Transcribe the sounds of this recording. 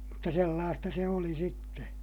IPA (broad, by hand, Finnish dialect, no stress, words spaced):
mutːɑ selːɑːstɑ se oli sitːe